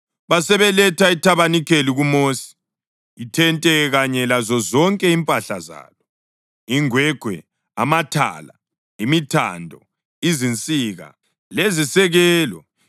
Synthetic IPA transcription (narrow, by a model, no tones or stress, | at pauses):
βasɛβɛlɛtʰaitʰaβanikʰeliɣumosi̥ | itʰɛntʼɛɣaɲɛlazɔzɔŋkʼɛimpʼaɬa̰za̰ːlɔ | iŋwɛɡ̥ʱwɛ̰ | amatʰa̰la | imitʰa̰ndʱɔ̰ | izint͡sʼiɣa̰ | lezisɛɣɛːlɔ